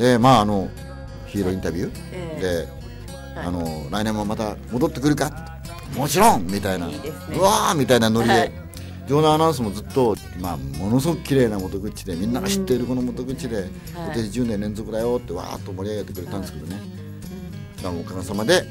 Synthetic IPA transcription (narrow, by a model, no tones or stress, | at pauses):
d̪e̞maːno̞ | çiːɾo̞ĩnt̪abʲjɯ | d̪e̞ | a̰no̞ɾainẽ̞mːamat̪amo̞d̪o̞t̪ːe̞kɯ̟ɾɯ̟kat | mot͡ɕiɾõŋmʲit̪ainaɯamʲit̪ainano̞ɾʲid̪e | d͡ʑoːnanãɰ̃s̬ɨmo̞zɨt̪ːo̞ | maːmo̞nos̬ɡokɯ̟kʲiɾe̞ːnamo̞t̪o̞ɡɯ̟t͡ɕid̪e̞mʲĩnːaɡaɕi̥t̪ːe̞iɾɯ̟konomo̞t̪o̞ɡɯ̟t͡ɕid̪e | koaɕiʑɯ̃nd̪enẽ̞nzo̞kɯ̟d̪ajo̞t̪ːe̞βa̰ːt̪ːo̞mo̞ɾʲiaɡe̞t̪ːe̞kɯɾe̞t̪and̪esked̪o̞ne | d̪amoːkaɡasamad̪e̞